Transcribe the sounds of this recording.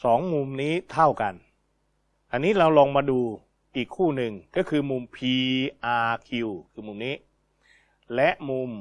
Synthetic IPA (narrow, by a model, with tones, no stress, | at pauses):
sɔː˩˦ŋmu˧mniː˦˥t̪ʰa˥˩wka˧n | ʔa˧nːiː˦˥ɾa˧wlɔː˧ŋmaː˧duː˧ | ʔiː˨˩kʰːuː˥˩nɯ˧ŋkɔː˥˩kʰɯː˧mu˧mpʰiː˧ʔaː˧kʰi˧wkʰɯː˧mu˧˩mniː˦˥ | lɛ˦˥ʔmu˧m